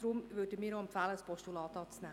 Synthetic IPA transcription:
d̥ɾumvødəmiːɾoɛmpfæːləspʰɔʃtulɑːtɑːt͡snɛ

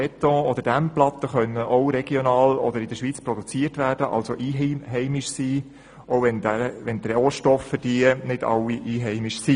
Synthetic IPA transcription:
ɛt̪ɔ̃ːɔd̥̪əɾd̥æmplɑt̪ːəχœnːəʔɔʊɾɛɡ̥jonɑːlɔd̪əɾɪd̥əʃʋiːt͡spɾɔd̪ut͡siːətʋæːɾd̥əʔɑ̰lsoʔiːɦɛɪmiʃsiː | owʋɛndæʋɛnt̪ɾɛoːʃtɔfːəd̥inɪd̥ɑ̰wːiʔiːɦɛɪmɪʃsi

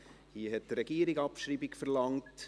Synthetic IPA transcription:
hiəɦɛt̚drɛɡiːəɾiɡɑpʃɾiːbikfəɾlɑŋt

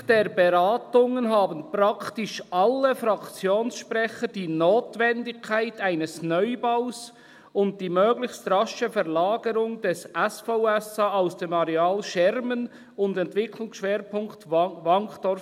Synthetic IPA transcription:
d̥eːɾbeɾaːtʊŋənɦaːbənpɾɑktɪʃʔɑlːəfɾɑkt͡sjoːnsʃpʁɛçəd̥iːnoːtvɛndɪkʰːaɪtaɪnəsnœʏbaʊs | ʊnt̚d̥iːmøːɡlɪçstrɑʃəfɛʁlaːɡəɾʊŋd̥ɛsɛsfoʊɛsɑaʊsd̥eːmɑɾɛaːlʃɛɾmən | ʊndɛntv̥ɪkʰlʊŋsʃʋveːɾpʰʊŋktvɑŋkd̥ɔɾ

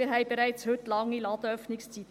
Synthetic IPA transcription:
əɾɦɛɪbɛɾæɪt͡shʏtlɑŋːilɑːd̥̪əœfnɪkst͡sit̪

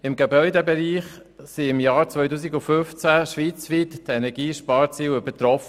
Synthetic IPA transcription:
ɪmɡɛbœʏdɛbɛɾiːχ | siɪmjɑːɾt͡svœjtuːs̬iɡʊfʏft͡sæʃʋiːt͡sʋiːttɛnɛɾɡ̥iːʃpɑːɾt͡siːwøb̥ətɾɔf

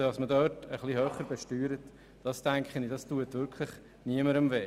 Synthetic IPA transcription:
ɑsmədœːtəχlihøːχəɾbɛʃtyːɾət | d̥ɑstæŋkχənid̥ɑstuətʋʏɾkʰχlɪχ | niəməɾəmve

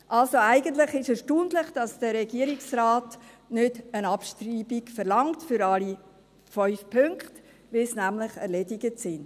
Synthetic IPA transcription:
ʔɑlsoæɪɡənt̪lɪχɪʃəʃtuːntlɪχd̥ɑsd̥əɾɛɡiəɾiksrɑːt | nʏdənɑpʃtriːbiɡfəɾlɑŋtfʏɾɑli | fɔʏfpʰʏŋkχt | ʋɪlsnæmlɪχɛ̰ɾlɛdɪɡətsɪnd

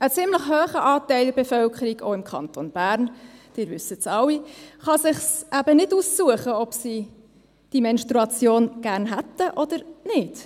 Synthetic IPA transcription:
ət͡sɪmləχɦøːχəʔɑːt̪æɪldəɾbɛfœlkəɾiɡo̰ːɪmkʰɑ̰nt̪onb̥æːɾnd̥ɪːɾvʏsətsɑwːiχɑsɪχsʔæbənɪduːsːuəχəɔpsi | d̥imɛnʃt̪ɾuɑt͡sjoːnɡ̥æːɾnɦætːəʔɔd̪əɾnɪd̥

